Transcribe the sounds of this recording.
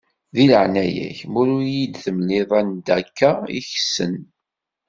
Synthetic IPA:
ðiləʕnæjæ̰çmʊɾʊjid̪θəmliðˤænd̪ækːaḭçsə̰n

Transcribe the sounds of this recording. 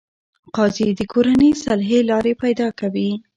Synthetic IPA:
qɑzid̪əkoɾanisalɦelɑɾepajd̪ɑkawi

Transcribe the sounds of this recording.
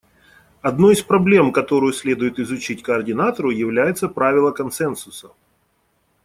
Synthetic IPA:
ɐd̪no̞jɪspɾɐblʲe̞mkɐt̪o̞ɾʊjʊsʲlʲe̞d̪ʊjɪt̪ɪzʊt͡ɕitʲkəɐrdʲɪnat̪əɾʊjɪvlʲæjɪt̪səpɾavʲɪlˠəkɐnsɛnsʊsə̥

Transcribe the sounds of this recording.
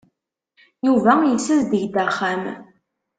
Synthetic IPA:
juvæjəsəzd̪əʝd̪æχæm

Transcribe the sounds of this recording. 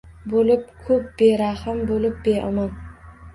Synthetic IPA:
bolɪp̚kʰɵp̚beɾahɪmbolɪp̚beɑ̰man

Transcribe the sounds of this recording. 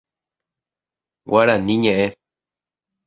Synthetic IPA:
waɾanĩɲẽʔe

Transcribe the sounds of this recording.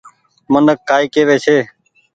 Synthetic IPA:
mənəkːaːiːkeːʋeːsʰeː

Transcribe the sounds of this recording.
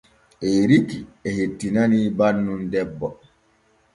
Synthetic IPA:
ɛɾikiɛhetːinanibanːundɛbːɔ

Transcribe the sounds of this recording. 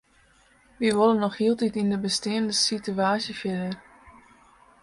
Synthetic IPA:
ʋiʋolənːɔxhiːəlˠtitindəbəstɪːəndəsityaːsjəfɪdər

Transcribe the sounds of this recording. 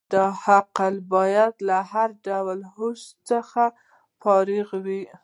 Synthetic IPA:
d̪̥ɑhaqəlbɑjad̪lahaɾɖawlɦost͡səxa | fɑɾiɣwi

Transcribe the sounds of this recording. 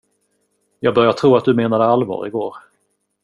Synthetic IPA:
jɑːɡ̚bœɾjaʈʰɾuːat̪̚d̪ɵmeːnad̪əalvɑ̰ːɾɪ̰ɡo̰ːɾ

